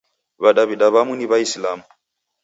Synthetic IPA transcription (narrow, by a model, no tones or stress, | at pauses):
βaɗaβiɗaβamuniβaislamu